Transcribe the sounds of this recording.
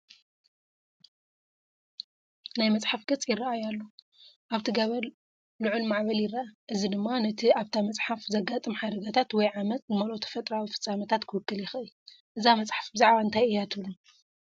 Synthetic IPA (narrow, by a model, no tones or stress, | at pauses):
najmɐt͡sʼħafɡɨt͡sʼjɪraajalːo | ʔaβt̪ʰiɡɐβɐɾ | lɨʕulmaʕβɐljɪrːaʔaʔɨzid̪ɨmːanɐt̪ʰiaβt̪ʰamɐt͡sʼħafzɐɡat̪ʼɨmħad̪ɐɡat̪ʰat̪wɔjʕamɐt̪̚ʼnɨmɐlot̪ʰɐ̥fɐt̪ʼɾawifɨ̥t͡sʼːamɐt̪ʰat̪kʰɨwɨkːɨljɪxɨju | ʔɨzamɐt͡sʼħḁfbɨzaʕβaɨnt̪ʰajɨjat̪ʰɨβlum